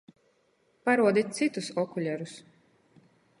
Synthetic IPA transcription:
paɾuɔd̪it̪̚t̪sit̪usɔkulʲɛɾus

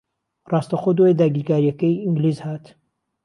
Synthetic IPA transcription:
rɑːst̪axod̪oed̪aːɡiːɾkaːɾijɐkɐjiŋɡliːzhaːt̪

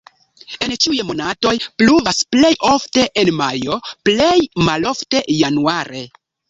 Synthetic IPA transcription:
e̞nt͡ʃiujmo̞nato̞jpluvasple̞jo̞fte̞ʔenmajo̞ple̞jmalo̞fte̞januaɾe̞

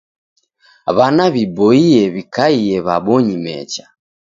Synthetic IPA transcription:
βanaβibɔiɛβikaiɛβaɓɔɲimɛ̰t͡ʃḁ

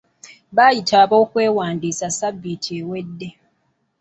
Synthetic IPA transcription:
βaːjitʰaːβo̞ːkwe̞ːwaːndiːsasabːitʰiewe̞dːe

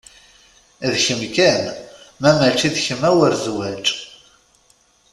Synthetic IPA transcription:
ðçəmkænmæmæt͡ʃːiðçəmæwəɾzwæt͡ʃʼ

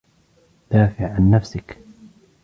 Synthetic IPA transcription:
d̪̥aːfɪʕʕanːafsɪk

